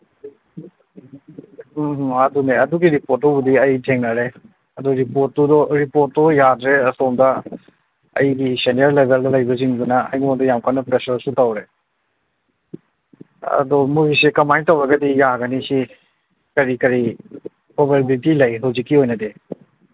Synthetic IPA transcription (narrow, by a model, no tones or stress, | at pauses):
ɦɐd̪uneɐduɡiɾipoɾtːɔbudiɐjtʰeŋnaɾe | ɐd̪ɔɾipot̚dɔdɔɾipoɾtdɔjadɾeɐsɔmda | ɐ̰jɡisenijəɾlebʱeldɔlajbɐziŋdunaɐ̰jnɔd̪ɔjamkanapɾesəɾsutawɾe | ɐ̰d̪ɔmuɡisekɐmajtawɾaɡad̪ijaɡanisi | kɐɾikɐɾi | pɔbelbitilɐjɦɔzikiɦojnad̪e